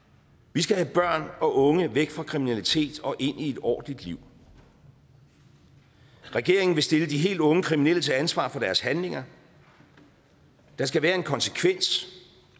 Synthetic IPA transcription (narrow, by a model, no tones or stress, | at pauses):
ʋisɡ̥æhæb̥ɶɐ̰nɒ̽ʔɔ̽ŋəʋeɡ̥fʁɑ̈kʰʁiminælit͡sʰe̝̰ːd̥ɒ̽ʔe̝n̰ie̝d̥ɒ̰ːd̥n̩lid̥liʊ̰ | ʁɛɡ̥e̝ɐ̰e̝ŋn̩ʋe̝sd̥e̝ləd̥iɦe̝̰ːld̥ɔ̽ŋəkʰʁiminel̰ət͡sʰe̝ænsʋɑ̰̈ːfɒ̽d̥æɐshænle̝ŋɐ | d̥ɑ̈sɡ̥æʋæːɐe̝nkʰɒ̽nsə̥kʰʋen̰s